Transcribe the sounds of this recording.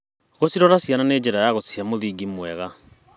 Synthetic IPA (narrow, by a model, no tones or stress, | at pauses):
ɣosiɾɔɾasiananeːd͡ʑeɾajaɣot͡siamoðiɡimwɛɣa